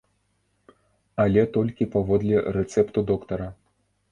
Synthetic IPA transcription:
alʲɛt̪ɔlʲkʲipavɔd̪lʲɛɾɛt̪sɛpt̪ud̪ɔkt̪ɐɾɐ

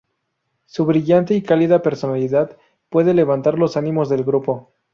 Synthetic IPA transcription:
suβɾiʝant̪eikaliðape̞ɾso̞naliðað | pwe̞ðe̞le̞β̞ant̪aɾlo̞sanĩmo̞zðe̞lɣɾupo̞

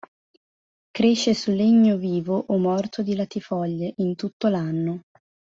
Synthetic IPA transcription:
kɾeʃːesulːeɲːoviːvoʔːmːɔrt̪ʰod̪ilat̪ifɔʎːeʔint̪ut̪ːolanːo

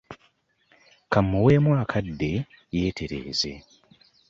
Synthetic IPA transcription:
kamːuwe̞ːmwaːkʰadːe̞ | jeːtʰe̞ɾe̞̰ːze̞̰

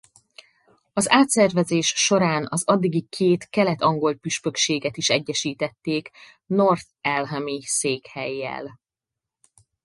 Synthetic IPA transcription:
ɒzaːt̪sɛrvɛzeːʃʃo̞ɾaːnɒzɒd̪ːiɡikʰeːt̪kɛlɛt̪ɒŋɡo̞lpyʃpø̞kʃeːɡɛt̪iʃɛɟːɛʃiːt̪ɛt̪ːeːk | no̞rt̪ɛlɦɛmiseːkhɛjːɛ̰l

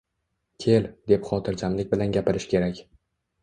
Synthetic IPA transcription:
kʲʰe̞ld̪e̞pχɒt̪ʰɪɾd͡ʒamlɪk̚ʲbɪlanɡʲapɪɾɪʃkʲʰe̞ɾakʲ

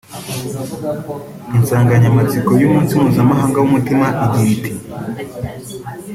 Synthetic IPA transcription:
insaːŋɡaɲamat͡sikojumuːnsimuːzamaɦaːŋɡawumutimaʔiɟiːti

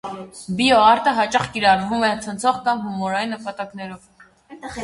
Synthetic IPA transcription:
biɔɑɾt̪əɦɑt͡ʃɑχkiɾɑrvumɛt͡sʰənt͡sʰɔʁkɑmɦumɔɾɑjinːəpɑt̪ɑknɛɾɔv

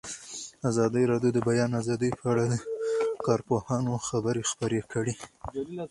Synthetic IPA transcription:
azɑd̪əjɾɑɖjod̪əbajɑnazɑd̪əjpʰəaɽad̪əkɑɾpohɑnoxabəɾexpəɾekəɽi

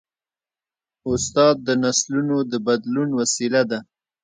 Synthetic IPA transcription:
ʊst̪ɑd̪̚ːənaslunod̪əbad̪lunwasilad̪a

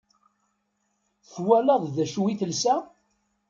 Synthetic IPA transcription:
θwæləðˤðæʃuwiθəlsæ

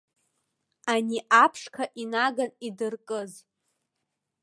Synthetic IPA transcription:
aniʔapʰʂkʰaʔinaɡanidɨrkʼɨz

